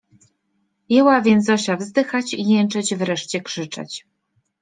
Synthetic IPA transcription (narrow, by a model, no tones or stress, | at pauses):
jɛwavʲjɛnt̪zɔɕavzd̪ɘxat͡ɕijɛnt͡ʂɛt͡ɕvɾɛʂt͡ɕɛkʂɘt͡ʂɛ̰t͡ɕ